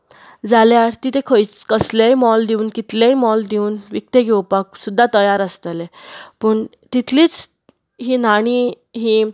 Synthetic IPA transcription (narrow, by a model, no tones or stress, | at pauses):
d͡zaljaɽt̪it̪ʰekʰəjt͡skəslejmɔld̪iuːnkit̪lejmɔld̪iuːnʋik̚t̪eɡewpak̚sud̪ʱːat̪əjaɾəst̪əlepəɳ | t̪it̪ʰliːt͡s | ɦinaɽ̃i | ɦi